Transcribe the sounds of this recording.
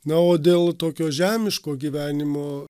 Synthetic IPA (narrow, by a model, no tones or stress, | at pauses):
nɐoːd̪ʲeːlˠt̪oːkʲoːʒʲæːmʲɪʃkoːɡʲiːʋʲæːnʲɪmoː